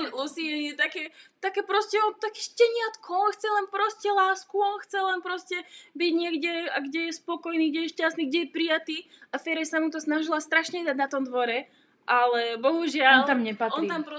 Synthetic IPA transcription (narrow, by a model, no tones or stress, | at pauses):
lusiɛɛt̪akɛːt̪akɛːpɾɔscɛɔnt̪akɛ̥ʃcɛɲɪat̪kʰɔɔnxt͡sɛlɛnpɾɔscɛlaːskuɔnxt͡sɛlɛnpɾɔscɛbiɟɲɪɛɡɟɛaɡɟɛjɛspɔkɔjniːɡɟɛjɛʃcast̪niɡɟɛjɛpɾijat̪iːafɛɾɛsamut̪ɔsnaʒilast̪ɾaʃɲɛd̪aɟnat̪ɔmd̪ʋɔɾɛ | ʔalɛbɔɦuʒɪaɔnlt̪amɲɛpatɔnɾit̪ampɾ